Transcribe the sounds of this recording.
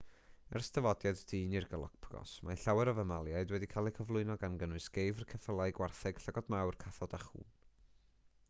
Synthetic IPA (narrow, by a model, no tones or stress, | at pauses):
ɛ̰rstʰəvɔdjadd̥ʰiːnirɡəlˠɔ̰k̚pʰɡ̥ɔ̰smaɬawɛɾəvəmalˠjaɨdwɛdikʰalˠikʰəvlˠʊɨnɔɡanɡənwʊɨsɡ̥ejvərkʰəθəlˠajɡwarθɛɡ̥ɬəɡɔdmawrkʰaθɔdaχṵːn